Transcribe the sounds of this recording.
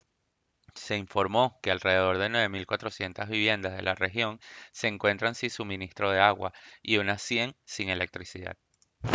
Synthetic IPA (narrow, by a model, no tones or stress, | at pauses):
se̞iɱfo̞ɾmo̞ke̞alre̞ð̞e̞ðo̞ɾðe̞nwe̞βe̞milkwat̪ɾo̞sje̞nt̪azβiβje̞nd̪azðe̞̰lare̞xjo̞ŋse̞ːŋkwe̞nt̪ɾansinsumĩnist̪ɾo̞ð̞e̞aɣwa̰iunasje̞ŋsiŋe̞lek̚t̪ɾisiða̰ð